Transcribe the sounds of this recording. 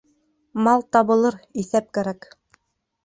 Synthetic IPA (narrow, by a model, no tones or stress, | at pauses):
mɑlˠt̪ɑβɤ̆lˠɤɾiθæp̚kæɾæk